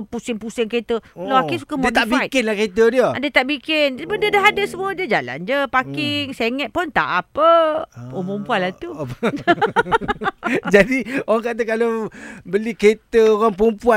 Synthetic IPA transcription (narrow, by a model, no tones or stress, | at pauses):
pusɪŋpusɪŋket̪əkəlaakisu̥kamt̪abit̪kɪnlaket̪ədiəadət̪aʔbikɪnbəndədaɦadəsəmũəd͡ʒəd͡ʒala̰nd͡ʒəpakɪŋseŋət̪̚pʊnt̪a̰ʔapəopumpuanlat̪u | d͡ʒadioɣaŋkat̪̬əkalobəliket̪əoɣaŋpumpua